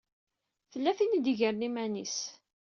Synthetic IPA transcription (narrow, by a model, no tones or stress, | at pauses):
θəlːæθinid̪iʝəɾnimænis